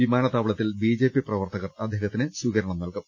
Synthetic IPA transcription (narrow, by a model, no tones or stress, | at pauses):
ʋimaːnɐt̪aːʋɐɭɐt̪ːilbid͡ʑe̞ːpːiprɐʋɐrt̪ɐɣɐrɐd̪ʱjɐɣɐt̪ːinɨswiɣɐɾɐɳɐmnɐɭkum